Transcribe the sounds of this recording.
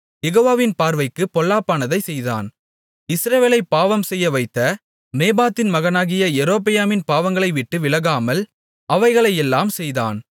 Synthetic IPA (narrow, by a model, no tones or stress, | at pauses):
jɛɣoːʋaːʋɪnpaːɾʋɐɪkːɯpɔlːaːpːaːnɐðɐɪsɛjða̰ːn | ɪsɾɐʋeːlɐɪpːaːʋɐmsɛjːɐʋɐɪt̪ːɐ | neːbaːt̪ːɪnmɐɣɐnaːɣɪjɐɛɾoːpɪjaːmɪnpaːʋɐŋɡɐɭɐɪʋɪʈːɯʋɪlɐɣaːmɐl | ʔɐʋɐɪɣɐɭɐɪjɛlːaːmsɛjða̰ːn